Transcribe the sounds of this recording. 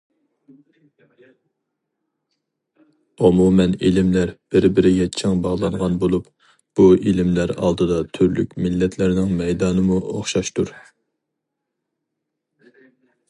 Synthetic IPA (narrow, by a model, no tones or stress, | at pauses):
umumɛnilɪmlæɾb̥ɪɾbɪɾɪjɛt͡ʃʰɛŋbɑʁlˠɑɴʁɑnbolˠup | b̥uilɪmlæɾɑ̰lˠd̪ɨd̪ɑt̪ʰyɾlykʲmɪlːɛt̪ʰlæɾnɪŋmɛjd̪ɑːnɨmuo̰χʃɑʃt̪uɾ